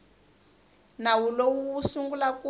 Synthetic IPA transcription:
nawulowuwusuŋɡulaku

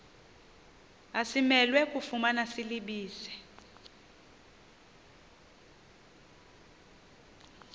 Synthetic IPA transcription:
asimɛlwɛkʼufumanasiliɓiːsɛ̥

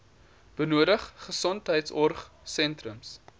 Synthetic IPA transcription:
b̥ənuədəχχəsɔntɦəjtsɔrχsɛntrəms

